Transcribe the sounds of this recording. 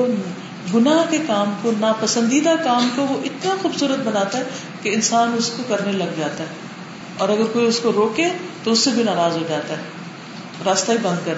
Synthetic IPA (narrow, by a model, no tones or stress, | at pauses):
ɡʊnaːɦkekaːmkonapɐsə̃nd̪iːd̪akaːmkoʋoʔɪt̪naxuːbsuːɾət̪̚bɐnaːt̪aɦɛ | keɪnsaːnʊskokɐɾnelɐɡd͡ʒaːt̪aɦɛː | ɔːɾɐɡəɾkoːiʊskoɾoːket̪oʊsːebʱinaːɾaːzɦod͡ʒaːt̪aɦɛː | ɾaːst̪aɦibɐ̃nd̪̚kɐɾ